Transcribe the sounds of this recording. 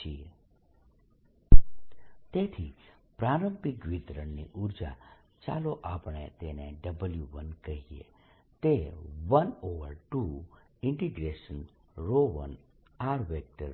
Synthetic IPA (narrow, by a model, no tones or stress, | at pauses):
ie | t̪et̪ʰi | pɾaɾə̃mpikʋit̪ɾəɳniʔuɾd͡ʒa̰ | t͡ʃa̰loʔapɳ̃ḛt̪enḛɖəbəljuʋənkəɦiḛ | t̪eʋənoʋəɾʈu | ɪɳʈiɡɾeʃən | ɾoʋə̰n | aɾʋek̚ʈə̰ɾ